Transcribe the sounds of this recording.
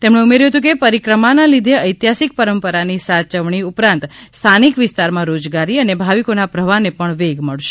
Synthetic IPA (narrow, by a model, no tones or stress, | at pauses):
t̪emɳẽumeɾjuɦət̪ũkepəɾikɾəmanalid̪ʱeəjt̪jasik̚pəɾəmpəɾanisat͡ʃəʋɳiupɾãnt̪st̪ʰanikʋɪst̪aɾmãɾod͡ʒɡaɾiənebʱaʋikonapɾəʋanepəɳʋeɡməɭʃe